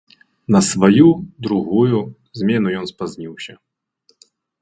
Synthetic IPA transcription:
nɐsvɐjud̪ɾuɣuju | zmʲɛnujɔnspɐzʲnʲiwsʲɐ

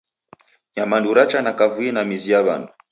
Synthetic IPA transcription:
ɲamanduɾat͡ʃanakavuinamiziaβa̰ndu

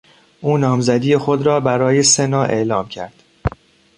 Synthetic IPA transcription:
ʔuːnɒːmzæd̪iːjexo̞d̪ɾɒːbæɾɒːjesenɒːʔe̞̰ʔlɒːmcʰæɾd̪̥

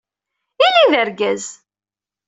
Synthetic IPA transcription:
iliðəɾɡæz

